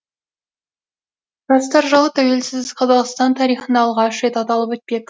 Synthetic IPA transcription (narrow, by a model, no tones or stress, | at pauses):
ʒ̥ɑst̪ɑɾʒəlˠət̪ʰæwe̞lsɪzqʰɑzɑʁst̪ɑnt̪ʰɑɾijχənɑɑlˠʁɑʃɾe̞t̪ɑt̪ɑlˠəpɵt̪̚pe̞k̪